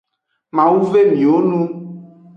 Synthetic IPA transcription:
mã˨wu˦ve˦mĩ˨wo˦nũ˦

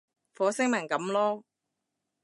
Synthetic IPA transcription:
fɔː˨˥sɪ˥ŋmɐ˨˩ŋkɐ˨˥mlɔː˥

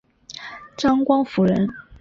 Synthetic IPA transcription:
ʈ͡ʂɑ˥ŋkwɑ˥ŋfu˧˥ɻə˧˥n

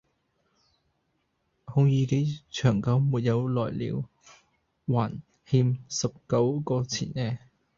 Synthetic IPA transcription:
hʊ˧ŋjiː˨˧ke˨˥jt͡ʃʰœː˨˩ŋkɐ˨˧˥wmuː˨˩t̚jɐ˨˧wlɔː˨˩jlḭː˨˧w | waː˨˩n | hiː˧msɐ˨p̚kɐ˨˥wkɔː˧t͡sʰḭː˨˩nɛː˧

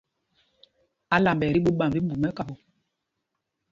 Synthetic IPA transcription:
a˦la˨mbɛ˨ɾi˦ɓu˦ɓa˨bi˦mbu˨mɛ˦ka˨bo˦

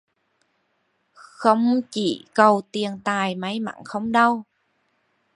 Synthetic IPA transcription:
xə˧wŋ͡mt͡ɕi˧˩kə˨˩wt̪i˨˩ənt̪aː˨˩jmə˨˦jma̰˧˩˨nxə˧wŋ͡mɗə˧w

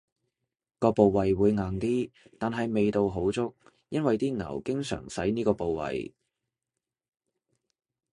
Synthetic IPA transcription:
kɔː˧po˨wːɐ˨jwuː˨˧jŋaː˨˩ŋt̪iː˥t̪aː˨nɦɐ˨jme˨jt̪o˨wɦo˨˥wt͡sʊ˥k̚ | jɐ˥nwɐ˨jt̪iː˥ŋɐ̰˨˩wkɪ˥ŋsœ̰ː˨˩ŋsɐ˨˥jniː˥kɔː˧po˨wwɐ̰˨j

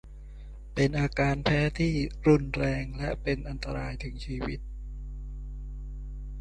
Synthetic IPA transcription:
pe˧nʔaː˧kaː˧npʰɛː˦˥t̪ʰiː˥˩ɾu˧˩nɾɛː˧ŋlɛ˦˥ʔpe˧nʔa˧nt̪a˧ɾaː˧jt̪ʰɯ˩˦ŋt͡ɕʰiː˧wi˦˥t̪̚

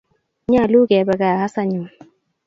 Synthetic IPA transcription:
ɲa˦˨lu˦ɡɛ˨ba˨ɡa˨ha˦sa˦ɲu˨

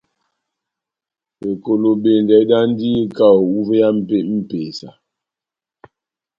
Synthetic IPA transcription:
e˨ko˨lo˨be˨n˨dɛ˨˦da˦n˦di˦e˦ka˦˨o˨u˦ve˦ja˦m̩˦˨pe˦m̩˦peː˨sa˨

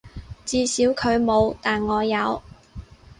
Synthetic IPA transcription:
t͡siː˧siː˨˥wkʰɵ˨˧ɥmo˨˧wt̪aː˨˩nŋɔː˨˧jɐ˨˧w

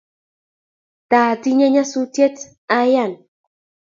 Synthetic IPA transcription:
ta˨ti˦ɲe˦ɲa˦su˦tje˦t | a˦ja˦˨n

